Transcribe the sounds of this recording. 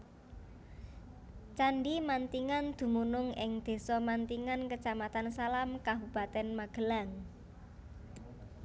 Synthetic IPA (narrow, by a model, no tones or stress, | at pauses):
t͡ʃaɳɖimant̪iŋand̪̥ṳmunʊŋɪŋd̪̥e̤sɔmant̪iŋankət͡ʃamat̪ansalamkabṳb̥a̤t̪ɛnmaɡ̥ə̤laŋ